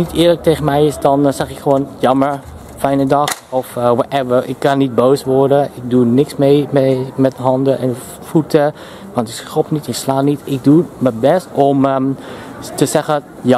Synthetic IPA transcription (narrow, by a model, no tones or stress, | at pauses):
nitɪːɹlək̚tejχənmɛjɪsdɑnsɛχɪkχəʋoːnjɑməɹ | fɛjnədɑxɔfwɔtɛvəɹɪ̰kːɑnit̚bowsʋɔɹdəɪk̚dunɪksmejmmɛtɦɑndəʔɛn | futə | ʋɑ̃ntɪksɔpnitɪkslaːnitɪk̚duməbɛstɔm | təsɛχə | j